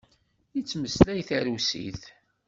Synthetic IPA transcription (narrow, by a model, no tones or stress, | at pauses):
it͡sːməslæjθæɾusḭθ